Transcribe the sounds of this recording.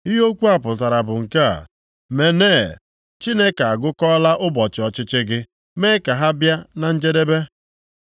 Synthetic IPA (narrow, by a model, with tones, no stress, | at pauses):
ɪ˦ɦo˦kʷu˦a˦˨pʊ˨ta˨ɾa˨bʊ˨ŋ̩˨ka˦a̰˨ | me˨neː˦˨ | t͡ʃi˦ne˦ka˨a˨ɡʊ˦kɔ˦la˦ʔʊ˦bɔ˨t͡ʃɪ˨ɔ˨t͡ʃɪ˦t͡ʃɪ˦ɡɪ˦ | me˦ka˨ɦa˦bja˦na˨n̩˦d͡ʒe˦de˦be˦